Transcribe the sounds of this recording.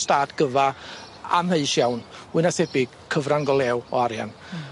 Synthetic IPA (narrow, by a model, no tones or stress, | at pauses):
staːdɡəva | a̰mheɨʃjawnwɨːnasɛbɪɡ̥kʰːəvranɡɔlˠɛwɔ̰aɾja̰n